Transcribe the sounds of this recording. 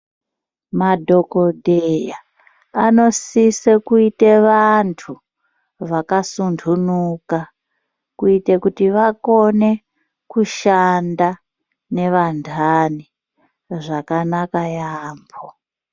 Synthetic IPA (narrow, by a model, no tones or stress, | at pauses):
madʱo̞ko̞dʱejaː | no̞sisekuiteʋantʰu | ʋakasundʰʱunuka | kuitekutiʋako̞ne̞ | kuʃanda | ne̞ʋandʰʱani | ʐakanakajaːmbʰʱo